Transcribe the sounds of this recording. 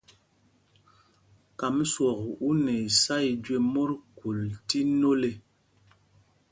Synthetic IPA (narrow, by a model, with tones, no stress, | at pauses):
ka˨m˦swɔ˨ku˦ne˨sa˦i˨d͡ʒwe˦mo˦ɾku˨lti˦no˦le˨